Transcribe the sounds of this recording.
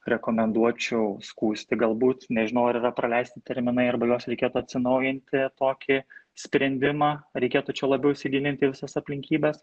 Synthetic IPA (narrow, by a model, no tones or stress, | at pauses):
ɾʲɛkoːmʲɛnd̪uɔt͡ʃʲɛʊskuːsʲt̪ʲɪɡɐlˠbuːt̪nʲɛʒʲɪnɐʊɐɾirɐpɾɐlʲɛɪsʲt̪ʲɪt̪ʲɛɾʲmʲɪnɐɪɐrbɐjoːsɾʲɛɪkʲeːt̪ʊɐt̪ʲsʲɪnɐʊjɪnʲt̪ʲɪt̪oːkʲɪ | sʲpʲɾʲɛnʲd̪ʲɪmɑːɾʲɛɪkʲeːt̪ut͡ʃʲɛlˠɐbʲɛʊɪʃʲsʲɪɡʲɪlʲɪnʲt̪ʲɪːʋʲɪsɐsɐpʲlʲɪŋʲkʲiːbʲɛs